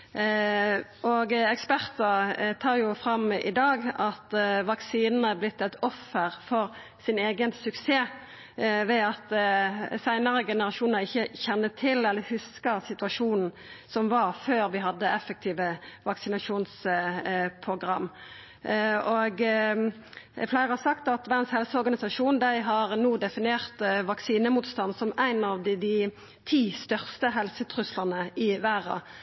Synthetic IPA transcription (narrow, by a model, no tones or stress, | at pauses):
ʔɔɡɛkspæʁt̪ət̪ʰɑːʁjʊfʁɑmɪ̰d̪ɑːɡɑt̪ʋɑksiːnn̩əblɪt̪ːɛt̪ɔfːəʁfɔʁ | sɪneːɡənsʉkseː | ʋɛɑt̪ | sæɪnəʁəɡɛnəɾɑʃuːnɑʁɪçːəçɛnːət̪ʰɪlɛlːəɾhʉskəʁsɪt̪ʉɑʃuːnn̩ | sɔmʋɑʁføːɾʋɪɦɑd̪ːəɛfək̚t̪ʰiːʋəʋɑksɪnɑʂuːns | pʰʁʊɡʁɑmː | ɔɡ | flæɪʁəhɑɾsɑkt̪ɑt̪ʋædənshɛlsəɔʁɡɑnɪsɑʂuːnd̪æɪɦɑʁnuːd̪ɛfɪneːʁt̪ʋɑksiːnəmuːt̪st̪ɑnd̪sɔmæɪnɑʋd̪d̪ɪ | t̪ʰiːst̪œʁst̪əɦɛlsət̪ʰʁʉslɑnəɪʋæːʁɑ̰